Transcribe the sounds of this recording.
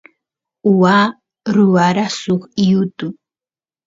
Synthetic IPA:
ʊwaː | ɾʊwaɾasʊχijʊt̪ʊ

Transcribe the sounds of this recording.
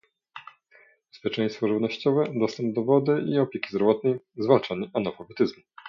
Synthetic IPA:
bbɛspʲjɛt͡ʂɛ̃j̃st̪fɔʐɨvnɔɕt͡ɕɔvɛd̪ɔst̪ɛmp̚d̪ɔvɔd̪ɘʔiɔpʲjekʲi̥zdɾɔvɔt̪̚nɛjzvalt͡ʂaɲiʔanɔfɔvɛt̪ɘzmu

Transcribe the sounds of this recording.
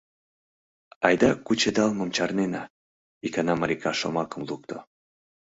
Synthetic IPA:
ɑjd̪ɑkut͡ɕed̪ɑlmə̆mt͡ɕɑrnenɑ | ikɑnɑmɑɾikɑʃomɑkəmluk̚t̪o

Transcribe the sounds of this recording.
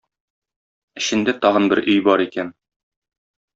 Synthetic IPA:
ɘ̆ɕɘ̆nd̪æt̪ɒʁɤ̆nbɘɾʔɵ̆jbɒɾikæn

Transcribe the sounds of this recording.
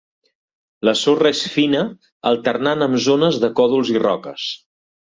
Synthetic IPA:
ləsorəesfinə | əlˠt̪ərnanəmzonəzðəkɔðulˠzirɔ̰kəs

